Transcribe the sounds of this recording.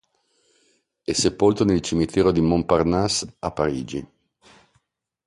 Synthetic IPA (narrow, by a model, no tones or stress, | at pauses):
ɛsepolt̪onelt͡ʃimit̪ʰɛːɾod̪imomparnasapːaɾiːd͡ʒi